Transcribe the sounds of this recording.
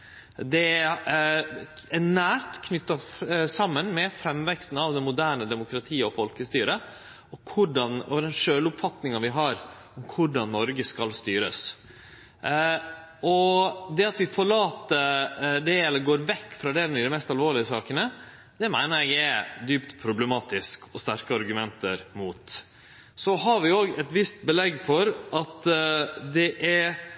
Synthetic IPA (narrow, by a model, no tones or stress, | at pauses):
d̪ɛ | ɛnæːɾt̪kʰnʏt̪ːɑsɑmːənmɛfɾɛmːʋɛkst̪n̩ɑʋd̪ɛnmʊd̪æːɳəd̪ɛmʊkɾɑt̪ʰiːɔfɔlkəst̪yːɾə | ɔkʰʊɖɑnɔd̪ɛnʂøːlʊpfɑt̪nɪŋɑʋɪɦɑɾ | ɔmkʰʊɖɑnːɔɾɡəskɑlst̪yːɾə̰s | ɔd̪ɛɑt̪ʋɪfɔɭɑːt̪əd̪ɛɛlːəɾɡoːɾʋɛkːfɾɑd̪ɛɾɪd̪ɛmɛst̪ɑlʋoːɭɪəsɑːkənə | d̪̥ɛmæɪnəɾɛɡæd̪yːpt̪pʰɾʊblɛmɑːt̪ɪskʰɔst̪æɾkəɑɾɡʉmɛnt̪əɾmut̪ | sɔɦɑɾʋɪoːɡɛt̪ʋɪst̪̚bəlɛɡfɔɾʔɑt̪ | d̪ɛʔæɾ